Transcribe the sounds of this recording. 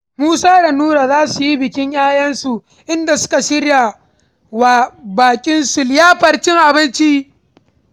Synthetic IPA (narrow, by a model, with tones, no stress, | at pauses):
muː˦saː˦ɽa˨nuː˦ɾa˨zaː˦su˨ji˦bɪ˨kʲɪ˦ɲjaː˦jɐ˦nsu˨ | ʔɪ˦nda˨sʊ̥˦ka˨ʃɪ˦ɽja˨ | wa˨baː˨kʲʼɪ˦nsʊ˨ljaː˦ɸɐ˨ɽt͡ʃɪ˦ŋʔa˨bɪ˦nt͡ʃi˦